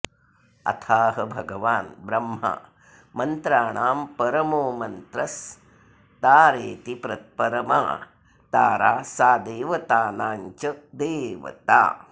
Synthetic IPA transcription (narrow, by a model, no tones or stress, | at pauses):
ɐ̰t̪ʰaːɦɐbʱɐɡɐʋaːnbɾɐmːɦa̰ | mɐnt̪ɾaːɳaːmpɐɾɐmoːmɐnt̪ɾɐs | t̪aːɾeːt̪ipɾɐt̪̚pɐɾɐma̰ː | t̪aːɾa̰ːsaːd̪eːʋɐt̪aːnaːɲt͡ʃɐd̪eːʋɐ̰t̪a̰ː